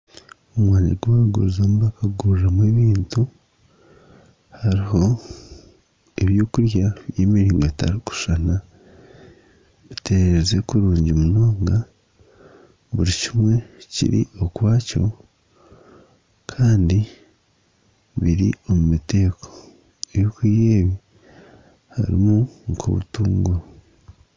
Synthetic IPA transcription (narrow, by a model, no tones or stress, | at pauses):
omwaːɲa̰ɡuaɡṵɾizamuβakaɡuːɾramweːβiːntu | haɾiɦo̞ | eβjoːkuɾjaβjeːmiɾiːŋɡo̞ta̰ɾiku̥ʃana | βite̞ɾeɾezekuɾuːɲɟimuno̞ːŋɡa | βuɾicimwe̞cḭɾḭo̞kwaːco̞̰ | kʰaːndi | βiɾḭo̞mumite̞ːkʰo̥ | ejokwiːjeːβi | ha̰ɾḭmuŋkʰo̰βṵtuːŋɡuɾo